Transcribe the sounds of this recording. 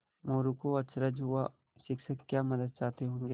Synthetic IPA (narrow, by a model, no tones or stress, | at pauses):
moːɾukoɐt̪sɾəd͡ʒɦua | ʃɪkʃəkːjaːmɐd̪əd̪̚t͡ʃaːt̪eɦõːŋɡeː